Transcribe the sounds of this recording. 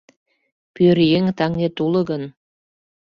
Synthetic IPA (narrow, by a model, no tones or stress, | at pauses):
pøɾjeŋt̪ɑŋnʲet̪ulɤ̆ɣɤ̆n